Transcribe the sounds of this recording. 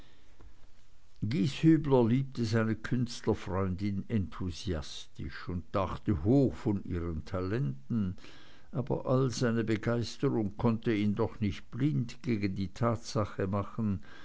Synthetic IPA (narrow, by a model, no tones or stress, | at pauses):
ɡ̥iːshyːblɐliːp̚təzaɪnəkʰʏnstlɐfʁɔʏndɪnɛntʰuziastɪ̰ʃʊnd̚d̥aχtəɦoːxfɔniːʁəntʰalɛntn̩ | ʔaːbɐ̰ʔalzaɪnəbəɡaɪstəʁʊŋkʰɔntəiːndɔχnɪçt̚b̥lɪndɡ̥eːɡən̩diːtʰaːtsaχəmaχən̩